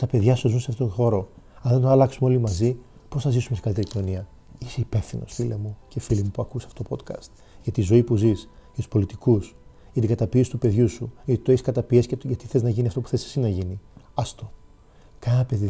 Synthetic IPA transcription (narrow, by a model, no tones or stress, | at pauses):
t̪ɐpe̞ðʝɐszunseɐft̪ot̪oxo̞ɾo̞ɐðet̪oɐlɐksumeo̞limɐzi | po̞sθɐzisumest̪i̥kɐlit̪eɾicino̞niɐ | ise̞ipefθinosfilḛmuce̞filimupuɐkusɐft̪ot̪opo̞t̪kɐ̰st̪ | ʝɐt̪izo̞ipuzisʝɐt̪u̥spolit̪ikus | ʝɐt̪iɡɐt̪ɐpiesi̥t̪upe̞ðʝusuʝɐt̪it̪oeçiskɐt̪ɐpiesceʝɐt̪i̥θe̞znɐʝiniɐft̪o̞puθesɐ̥sinɐʝiniɐst̪o̞ | kɐnnɐpe̞ði